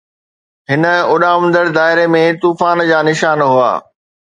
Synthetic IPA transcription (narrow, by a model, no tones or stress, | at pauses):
ɦɪnə̆ʊɗaːmʊ̃nd̪əɽd̪aːɦɪɾemẽt̪uːfaːnd͡ʑaːnɪʃaːnɦua̰ː